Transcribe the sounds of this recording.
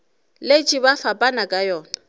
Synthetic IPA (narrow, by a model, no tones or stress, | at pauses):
let͡ʃʼibafapʼanakʼajɔːna